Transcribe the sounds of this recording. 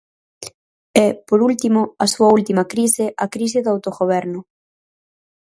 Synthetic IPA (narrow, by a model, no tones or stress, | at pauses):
ɛpoɾult̪imoɐsuɐult̪imɐkɾisɪʔakɾis̬ɪðawt̪oɣoβ̞ɛɾnʊ